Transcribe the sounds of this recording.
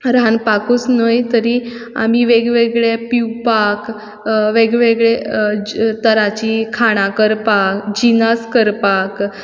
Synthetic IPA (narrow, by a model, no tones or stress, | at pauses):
ɾanpakut͡snəjt̪əɾi | a̰miʋeɡʋeɡɭepiwpak | ʋeɡʋeɡɭe | t̪əɾat͡ɕikʰaɽ̃ãkəɾpakd͡ʑinaskəɾpak